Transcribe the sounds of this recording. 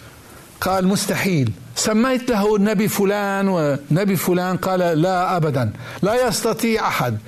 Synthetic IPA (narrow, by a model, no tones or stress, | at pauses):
qɑːlmʊst̪aħiːlsamːajt̪laɦnːabifʊlaːnwɪnːabifʊlaːnqɑːlalaʔabad̪an | lajɑst̪ɑt̪ˤiːʕʔaħad̪̚